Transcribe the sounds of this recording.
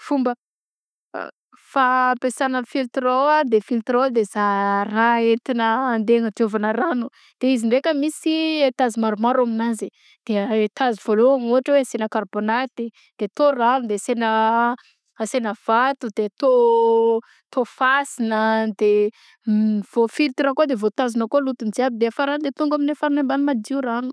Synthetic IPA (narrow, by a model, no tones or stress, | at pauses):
fumbə̰ | fapesanəfilt̪ɾoad̪efilt̪ɾod̪ezaraet̪inəːnd̪eŋət̪ovanəranu | d̪̥eiziɳɖ͡ʐekʲəmisit̪azimaɾumaɾaminazi | d̪̥et̪aziv̥oloaŋuaʈ͡ʂəweasenəkarbonat̪i | d̪̥et̪oranud̪esenə | asenəv̥at̪ud̪et̪o | t̪ofasinəd̪e | iv̥ofiɾt̪iɾakod̪evot̪azinəkoalut̪und͡ziabid̪eafaɾanud̪et̪uŋɡaminefaɾunambanumad̪iuranu̥